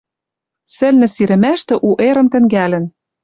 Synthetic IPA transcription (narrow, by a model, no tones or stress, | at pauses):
sɘ̆lnɘ̆siɾɘ̆mæʃt̪ɘ̆ʔuʔeɾɤ̆nt̪ɘ̆ŋɡælɘ̆n